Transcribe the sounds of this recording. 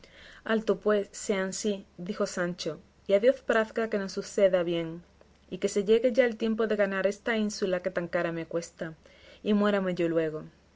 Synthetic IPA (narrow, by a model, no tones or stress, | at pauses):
alt̪opwe̞sːeansiðixo̞sant͡ʃo̞ | iaðjo̞θpɾaθɡake̞no̞susθe̞ðaβje̞ŋ | ike̞se̞ʝe̞ɣe̞ʝaelt̪je̞mpo̞ðe̞ɣanaɾe̞st̪ainsulake̞t̪aŋkaɾame̞kwe̞st̪a | imwe̞ɾame̞ʝo̞lwe̞ɣ̞o̞